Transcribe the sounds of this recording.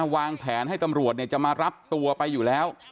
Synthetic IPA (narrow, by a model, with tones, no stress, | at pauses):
waː˧ŋpʰɛː˩˦nha˥˩jt̪a˧mɾu˨˩ət̪ni˥˩t͡ɕa˨˩ʔmaː˧ɾa˦˥p̚t̪u˧ɐpa˧jːuː˨˩lɛː˦˥w